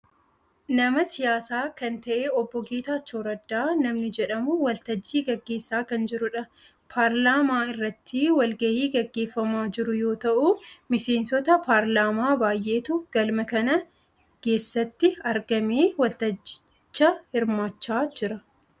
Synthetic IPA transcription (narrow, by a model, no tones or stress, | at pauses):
nɐmɐsɪjaːsaːkɐnt̪ɐʔeːɔbːɔɡeːt̪aːt͡ʃːoːɾɐd̪ːaːnɐmnɪd͡ʒɛᶑɐmʊwɐlt̪ɐd͡ʒːiːɡɐɡːe̞ːsːaːkɐnd͡ʒɪɾʊᶑɐ | pʰaːɾlaːmaːɪrːɐt̪ːiːwɐlɡɐhiːɡɐɡːe̞ːfːɐmaːd͡ʒɪɾʊjo̞ːt̪ɐʔʊmɪse̞ːnsɔt̪ɐpaːɾlaːmaːbaːjʔe̞ːt̪ʊɡ̥ɐlmɐkɐnɐ | ke̞ːsːɐt̪ːɪɐɾɡɐmiːwɐlt̪ɐd͡ʒɪ | t͡ʃːɐhɪɾmaːt͡ʃːaːd͡ʒɪɾɐ